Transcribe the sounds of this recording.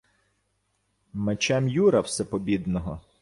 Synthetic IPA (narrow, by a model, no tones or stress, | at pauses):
met͡ʃɛmjuɾɐwsɛpɔbʲid̪nɔɦɔ